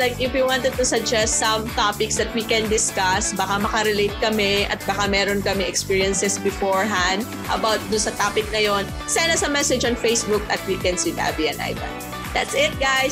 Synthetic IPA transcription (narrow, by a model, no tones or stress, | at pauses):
lajkɪfwiwãnt̪ɛd̪̚t̪ʊsɐɡ̚d͡ʒɛst̪sɐmt̪apɪksd̪ɐt̪̚wikɛnd̪ɪskɐsbɐkamɐkɐɾɛlejt̪̚kɐmɛʔɐt̪̚bɐkamɛːɾonkɐmɛɛkspiːɹijɐnsɛsbɪfoɹɦãnd̪̚ | ʔɐ̰bawt̪̚d̪ʊnsɐt̪aːpɪk̚nɐjon | sajnːɐsɐmɛsɛd͡ʒɐ̃ŋfejsbʊk̚ʔɐt̪̚wikɛ̃nsid̪a̰biɛ̃nʔa̰jd̪ɐ̰n | d̪a̰t̪sɪt̪̚ɡaj